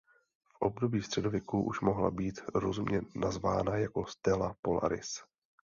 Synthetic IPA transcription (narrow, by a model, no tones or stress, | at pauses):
fʔo̞b̚do̞biːst̪r̥ɛdo̞vjɛkuʔuʃmoɦla̰biːt̪ɾo̞zumɲɛnazvaːnajako̞st̪ɛlapo̞la̰ɾɪ̰s